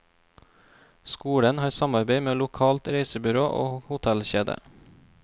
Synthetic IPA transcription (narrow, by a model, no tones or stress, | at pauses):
skuːɽənhɑːɾsɑmɑɾbeɪmeːlʊkʰɑːlt̪ɾeɪsəbʏɾoːʔo̰ːhʊt̪ʰælçeːd̪ə̰